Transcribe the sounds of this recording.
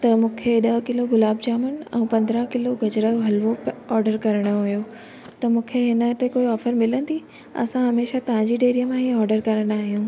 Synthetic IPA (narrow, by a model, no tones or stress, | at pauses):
t̪ɐmũːkʰeɗɐɦkɪloɡʊlaːbd͡ʑaːmən̆ɛ̰̃ũːpɐ̃nd̪ɾə̃kɪloɡɐd͡ʑɾəoɦɐlʋoɔːɾɖəɾkɐɾəɽ̃oojo | t̪ɐmũːkʰeɦɪnə̆t̪ekoːiɔːfəɾmɪlə̃nd̪i | ɐ̰sãɦɐmeːʃat̪ɐʋ̤ãd͡ʑiɖeːɾiəmãɦiɔːɾɖəɾkɐɾəɽ̃aːɦijũː